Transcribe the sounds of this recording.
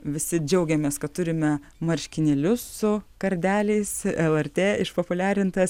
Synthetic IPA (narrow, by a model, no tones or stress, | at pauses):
ʋʲɪsʲɪd͡ʒʲɛʊɡʲɛmʲeːskɐt̪t̪ʊɾʲɪmʲɛ | mɐɾʲʃʲkʲɪnʲelʲʊsːʊkɐɾʲd̪ʲæːlʲɛɪsɛlˠɛrʲt̪ʲeːɪʃpopʊlʲæːɾʲɪnt̪ɐs